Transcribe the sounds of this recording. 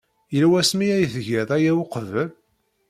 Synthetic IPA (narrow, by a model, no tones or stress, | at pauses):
jəlwæsmiæjθəʝæðˤæjæwʊqvəl